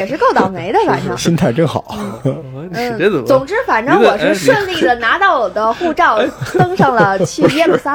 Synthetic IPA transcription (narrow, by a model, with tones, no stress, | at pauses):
ɛ˨˩ʂɻ̩˥˧ko˥˧ʊt̪ɑ˨˩ʊme˧˥ɪd̪ə˧fa̰˨˩nʈ͡ʂɤ˥ɕi˥nt̪ʰa˥˩ɪʈ͡ʂɤ˥˧ŋxɑ̰˨˩˦ | n̩˥˧˩t͡sʊ˨˩ŋʈ͡ʂɻ̩˥fa˨˩nʈ͡ʂŋwɔ˨˩ʂ̩˥ʂwə˥˧nli˥˩d̪ə˩na˧˥t̪ɑ˥˩ʊwɔ˨˩d̪ə˦xu˥˧ʈ͡ʂɑ˥˩ʊt̪ɤ˥ŋʂɑ˥˩ŋlə˩t͡ɕʰy˥˧˥ɛ˥˩˧ə˩sa˥